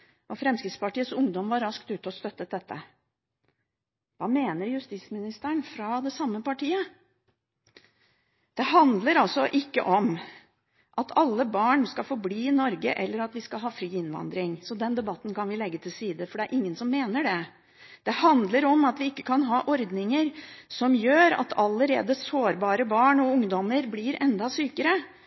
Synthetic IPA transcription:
ʔɔfɾɛmskɾɪt̪spɑʈiːət̪sʊŋd̪ɔmʋɑɾːɑskt̪ʉːt̪ɔst̪œt̪ːət̪̚d̪ɛt̪ːə̰ | ʋɑːmeːnəɾjʉst̪ɪsmɪnɪst̪əɳfɾɑd̪ɛsɑmːəpɑʈiːə | d̪̥ɛhɑnd̪ləɾɑlsɔʔɪkːə̰ʔɔm | ʔɑt̪ʰɑlːəbɑːɳskɑfɔɾbliːɪnɔɾɡəʔɛlːəɾɑt̪ʋɪskɑlɦɑːfɾiːɪnʋɑ̰nd̪ɾɪŋsɔd̪ɛnd̪ɛbɑt̪ːn̩kɑnʋɪlɛɡːət̪ʰɪlsiːd̪əfɔɖɛæɾʔɪŋːənsɔmːeːnəɖɛ | d̪̥ɛhɑnd̪ləɾɔmɑt̪ʋɪɪkːə̥kʰɑnɦɑːʔɔɾd̪nɪŋəɾsɔmjøːɾɑ̰t̪ʰɑləɾḛːd̪əsoːɾbɑːɾəbɑːɳɔʊŋd̪ɔməɾblɪɾʔɛnd̪ɑsyːkəɾə

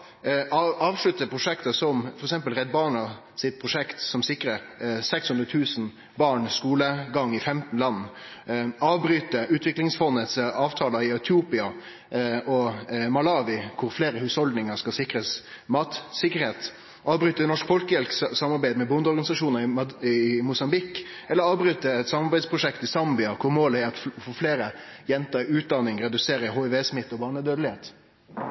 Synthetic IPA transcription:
ɑɑːʋʂɭʉt̪ːəpʰɾʊʂɛkt̪əsɔmfɔɾɛksɛmpəlɾɛd̪bɑːɳɑ | sɪt̪̚pʰɾʊʂɛkt̪sɔmsɪkɾəsɛkshʉnd̪ɾət̪ʰʉːsn̩ | bɑːɳskuːləɡɑŋːɪfɛmt̪n̩lɑnː | ɑːʋbɾyːt̪əʉːt̪ʰʋɪklɪŋsfɔnːət̪sɑːʋt̪ʰɑːlɑɪɛt̪ʰjuːpɪɑ | ʔɔmɑlɑːʋɪkʰʊɾfleːɾəhʉːshɔld̪nɪŋəɾskɑsɪkɾəs | mɑːt̪sɪkːəɾheːt̪ | ʔɑːʋbɾyːt̪ənɔʂkfɔlkəjɛlksɑmːɑɾbæɪd̪mɛbʊnd̪əɔɾɡɑnɪsɑʂuːnəɾɪɪmʊsɑmbɪkː | ɛlːəɾɑːʋbɾyːt̪əɛt̪sɑmɑɾbæɪd̪spʰɾʊʂɛkt̪ɪsɑmbɪɑkʰʊɾmoːləæɾɑt̪fɔfleːɾə | jɛnt̪əɾʉːt̪̚d̪ɑnːɪŋɾɛd̪ʉseːɾəhoːɛʋeːsmɪt̪ːɔbɑːʁɳəd̪øːd̪əlɪheːt̪

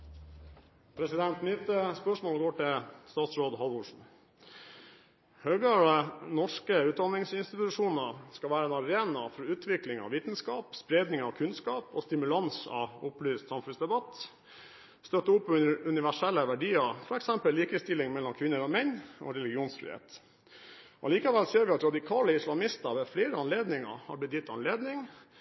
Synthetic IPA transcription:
pʰɾɛsɪd̪ɛnt̪nyt̪əspœʂmoːlɡoːʈɪlst̪ɑːt̪sɾoːd̪ɦɑlʋʊʂn̩ | høːɡəɭənɔʂkəʉːt̪̚d̪ɑnɪŋsɪnst̪ɪt̪ʉʂuːnəskɑʋæːɾəeːnɑɾeːnɑfɔʉːt̪ʰʋɪklɪŋɑ̰ʋiːt̪n̩skɑːpspɾeːd̪nɪŋɑʋkʰʉnskɑːpo̰ːst̪ɪmʉlɑnsɑ̰ʊplyːst̪sɑmfʉnsd̪ɛbɑt̪ | st̪œt̪ːəʊpːʉnɪʋæʂɛlːəʋæɖiːəɾfɔɾɛksɛmpəlliːkəst̪ɪlːɪŋmɛlːɔmkʰʋɪnːəɾɔmɛnːɔ̰ːɾɛlɪɡɪuːnsfɾɪ̰ːhḛːt̪ | ɔɑliːkɑʋɛlseːɾʋɪɑt̪ɾɑd̪ɪkʰɑːləɪslɑmɪst̪əɾʋɛfleːɾəɑnleːd̪nɪŋə̰hɑ̰ɾb̪ɪt̪jɪt̪ːɑnleːd̪nɪŋ

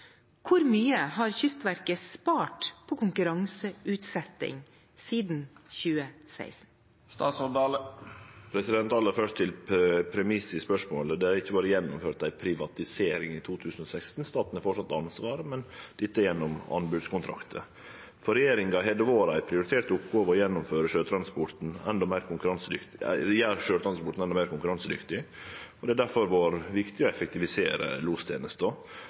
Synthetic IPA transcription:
kʰʊɾmyːəhɑɾçʏst̪ʋæɾkəspɑːʈpʰoːkʰʊŋkʉɾɑŋsəʉːt̪sɛt̪ːɪ̰ŋ | siːd̪n̩çʉːəsæ̰ɪsn̩ | st̪ɑːsɔd̪ɑːləpʰɾɛsɪd̪ɛnt̪ɑlːəɾfœʂʈt̪ʰɪlpʰɾɛmɪsɪspœʂmo̰ːləd̪ɛæɾɪçːəbɑːɾəjɛnːʊmføːʈ̚d̪æɪpʰɾɪʋɑt̪ɪseːɾɪŋiːt̪ʰuːt̪ʰʉːsən̩osækst̪n̩st̪ɑːt̪n̩æɾfɔʂɑt̪ːɑnsʋɑːɾəmɛnd̪̥ɪt̪ːəjɛnːɔmɑ̰nbʉːd̪skʊnt̪ʰɾɑ̰kt̪ʰə̰ | fɔɾɛjeːɾɪŋɡɑɦeːd̪əʋoːɾæɪpʰɾɪʊɾɪt̪ʰeːt̪ʊpɡoːʋəɔjɛnːʊmføːɾəʃøːt̪ʰɾɑnspɔɾt̪n̩ɛ̰nd̪ɔmeɪɾkʰʊŋkʉɾɑnsəd̪ʏktɪjæːɾʂøːt̪ʰɾɑnspɔʈ̪n̩ɛnd̪ɔmæːɾkʊŋkʉɾɑnsəd̪ʏ̰kt̪ɪɔd̪ɛæd̪æɾfɔɾʋoːɾʋɪkt̪ɪɔɛfɛk̚t̪ɪʋɪsḛːɾə̰luːst̪ʰḛːnəst̪ɔ

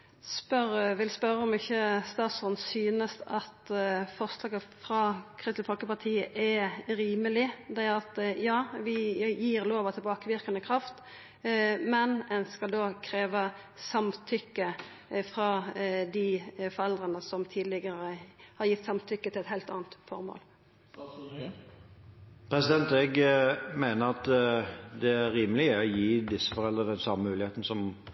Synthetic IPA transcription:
spœʁʋɪlspœɾːəɔmɪçːəst̪ɑːt̪sɔnsyːnəst̪ɑt̪fɔʁslɑːɡəfɾɑkʰʁɪst̪fɔlkəpɑʁt̪ʰiːəʔɛɾiːməlɪd̪ɛʁɑt̪jɑːʋɪjiːʁloːʋɑt̪ʰɛbɑːkəʋɪʁkɑnəkʰʁɑft̪ | mɛnɛnskɑld̪oːkʰɾeːʋə | sɑmt̪ʰʏkːə | fɾɑd̪ɪfɔɾɛld̪ʁənəsɔmt̪ʰiːd̪lɪɡəɾəhɑɾjɪt̪ːsɑmt̪ʰʏkːət̪ʰɪlɛt̪hɛɪlt̪ɑ̰ːnt̪fɔ̰ʁmo̰ːl | pʰɾɛsɪd̪ɛnt̪ɛɡmæɪnəɾɑt̪d̪ɛæːiːməlɪɔjiːd̪ɪsːə̥fɔɾɛld̪ʁəd̪ɛnsɑməmʉːlɪheːt̪n̩sɔm

